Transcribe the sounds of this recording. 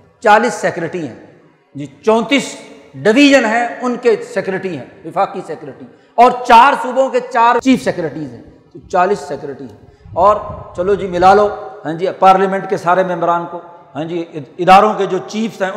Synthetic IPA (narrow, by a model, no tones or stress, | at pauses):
t͡ʃaːlisːɛkɾəʈiɦɛ̰̃ː | d͡ʒiːt͡ʃɔ̃ːnt̪iːs | ɖɪʋiːd͡ʒənɦɛ̃ʊnkesekɾeʈiɦɛ̰̃ːʋɪfaːkisɛkɾəʈi | ɔːɾt͡ʃaːɾsuːbõket͡ʃaːɾt͡ʃiːfʰsɛkɾəʈiːzɦɛ̃ | ot͡ʃaːlisːɛkɾəʈiɦɛ̃ː | ɔːɾt͡ʃɐlod͡ʒiːmɪlaːloɦɛ̃ːd͡ʒiːpaːɾleːmɛ̃ɳʈkesaːɾemɛ̃ːmbɾaːnkoɦɛ̃ːd͡ʒiːɪd̪aːɾõked͡ʒoːt͡ʃiːfʰsɦɛ̃